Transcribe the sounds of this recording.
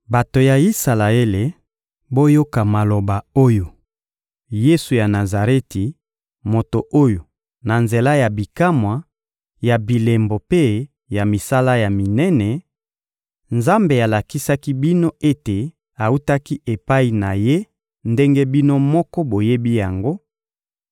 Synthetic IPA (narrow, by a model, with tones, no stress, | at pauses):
ba˨to˨ja˨i˦sa˨la˨e˦le˨ | bo˦jo˦ka˨ma˨lo˨ba˨o˦jo˨ | je˦su˨ja˨na˨za˨ʁe˦ti˨ | mo˨to˨ʔo˦jo˨ | na˨nze˨la˦ja˨bi˨ka˦mwa˨ | ja˨bi˨le˨mbo˨pe˦ | ja˨mi˨sa˦la˦ja˨mi˨nɛ˦nɛ˨ | nza˦mbe˨a˨la˨ki˦sa˦ki˦bi˦no˦ʔe˦te˨ | a˨u˦ta˦ki˦ʔe˨pa˦i˨na˨je˦ | nde˦ŋɡe˦bi˦no˦mɔ˦kɔ˦bo˨je˦bi˦ja˨ŋɡo˦